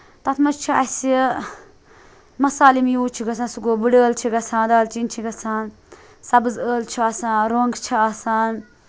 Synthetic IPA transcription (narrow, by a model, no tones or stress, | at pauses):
t̪ɐt̪ʰmɐt͡ʃt͡ʃʰiɐsi | mɐsaːlimjuːt͡ʃʰiɡɐsʰãːnsuɡoːbɨɽəːlt͡ʃʰiɡɐt͡sʰãːd̪aːlt͡ʃint͡ʃʰiɡɐt͡sʰaːn | sɐbzəːlt͡ʃʰiɐsãːɾoːŋɡt͡ʃʰiaːsaːn